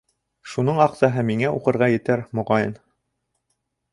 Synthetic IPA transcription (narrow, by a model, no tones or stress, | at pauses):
ʃunɤɴɑqsɑɦɤmiŋæʔuqɤ̆ɾʁɑjɘ̆t̪æɾmŏʁɑjɤn